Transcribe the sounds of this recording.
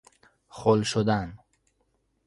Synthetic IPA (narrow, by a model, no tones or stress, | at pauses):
χɔlʃod̪an